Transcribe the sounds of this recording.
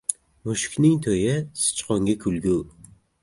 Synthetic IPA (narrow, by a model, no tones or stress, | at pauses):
mʊʃɪ̥kʲnɪŋt̪ʰojɪsɨ̥t͡ʃqɒŋɡʲakʰʊlɡʲu